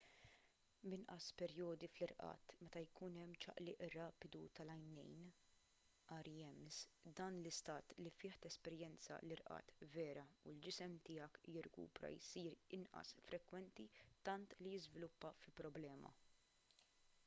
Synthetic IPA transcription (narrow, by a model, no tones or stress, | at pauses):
bɪnʔɐspɛɾjɔːd̪iflɪɾʔɐ̰ːt̪mɛt̪ɐjkuːnɛmːt͡ʃɐ̰ʔlɪʔrɐːpɪd̪ut̪ɐlɐjnɛjn | ʔɐːɾjɛmsd̪ɐːnlɪst̪ɐːt̪lifɪːħt̪ɛspɛɾjɛnt͡sɐ̰lɪɾʔɐ̰ːt̪vɛːɾɐuld͡ʒɪsɛmt̪ɪːjɐkjɪɾkṵːpɾɐ̰jsiːɾɪnʔɐ̰sfɾʔɛkwɛnt̪it̪ɐnt̪lijɪzvɪlʊpːɐfɪlpɾɔblɛːmɐ̰